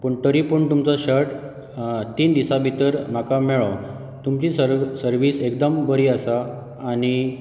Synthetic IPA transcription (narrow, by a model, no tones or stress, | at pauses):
pəɳt̪əɾipəɳt̪umt͡sɔɕəɾʈ | t̪iːnd̪isabʱit̪əɾm̤akamɛɭɔ | t̪umt͡ɕisəɾʋiːsekd̪əmbəɾiːəsaː | ñi